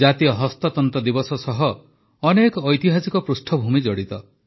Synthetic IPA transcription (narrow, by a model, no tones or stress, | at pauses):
at̪ijɔɦɔst̪ɔt̪ɔnt̪ɔd̪ibɔsɔsɔɦɔː | nekɔːjt̪iɦasikɔpɾusʈʰɔbʱumid͡ʒɔɽit̪ɔ